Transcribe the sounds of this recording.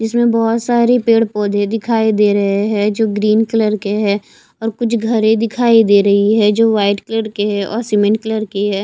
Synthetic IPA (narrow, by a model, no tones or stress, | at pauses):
d͡ʒɪsmẽbɔːt̪saːɾepeːɽpɔːd̪ʱẽd̪ɪkʰaːid̪eːɾɐɦeɦɛd͡ʒoːɡɾiːnkələɾkeɦɛː | ɔːɾkʊt͡ʃʰɡʱɐɾẽd̪ɪkʰaːid̪eːɾɐɦiɦɛd͡ʒoːʋaːɪʈkələɾkeɦɛʔɔ̰ːɾsɪmə̃ɳʈ̚kələɾkeɦɛː